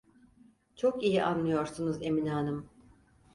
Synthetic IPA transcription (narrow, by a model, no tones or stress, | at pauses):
t͡ʃʰo̞kijiʔanlˠɯjo̞ɾsunuze̞minaːnɯm